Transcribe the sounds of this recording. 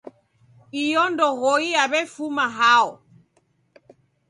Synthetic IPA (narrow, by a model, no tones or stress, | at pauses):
ijɔndɔɣɔiaβɛfumaɦaɔ